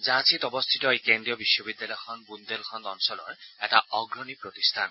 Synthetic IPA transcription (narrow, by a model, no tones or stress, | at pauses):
zãsʰitɔbɔst̪ʰitɔekendɹijɔbiʃːɔbidjalɔjɔxʰɔnbund̪elkʰɔntɔnsɔlɔ̰ɹɛtaɔɡɹɔnipɹot̪istʰan